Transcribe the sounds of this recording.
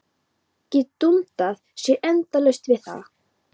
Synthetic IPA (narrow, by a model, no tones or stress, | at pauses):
cɪt̪unt̪aθsjɛʔɛnt̪alœɥst̪vɪðθa̰